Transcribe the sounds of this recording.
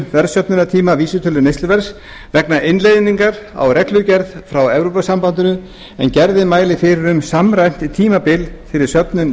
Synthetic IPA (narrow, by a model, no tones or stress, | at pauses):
vɛɾsœpnʏnat̪ʰiːmaviːsʏt̪ʰʏlʏnejst̪lʏvɛɾ̥s | vɛknaɪnlejðɪniŋkaɾa̰wrɛt̪lʏcɛɾðfɾawɛvɾowpasampant̪ʏnʏ | ɛ̰ncɛɾðɪmaːjlɪfɪɾɪɾʏmsamɾajm̥t̪it̪ʰiːmapɪlθɪɾɪɾ̥sœpnʏn